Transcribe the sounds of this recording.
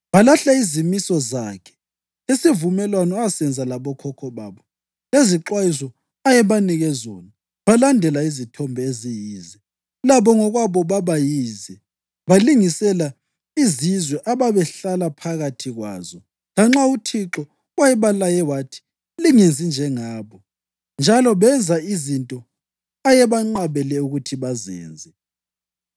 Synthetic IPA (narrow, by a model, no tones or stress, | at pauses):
βalaɬaizimisɔzaːkʰɛ̥ | isivumɛlwanɔasɛnd͡zʱalaβɔkʰɔkʰɔβaːβɔ | leziǁwajisɔ | ajɛβaniɣɛzɔ̰na | βalandʱɛlaizitʰɔmbʱɛezijiːzɛ | laβɔŋɔɣwaβɔβaβajiːzɛ | βaliŋisɛla | izizwɛʔaβaβɛɬalapʰaɣatʰiɣwa̰ːzɔ | laŋ͡ǁautʰiǁɔ | wajɛβalajɛwatʰi̥ | liŋend͡zʱind͡ʒʱɛŋaːβɔ | nd͡ʒʱalɔβɛnd͡zʱaizintʼɔ | ajɛβaŋ͡ǁaβɛlɛuɣutʰiβazɛ̰ːnd͡zʱɛ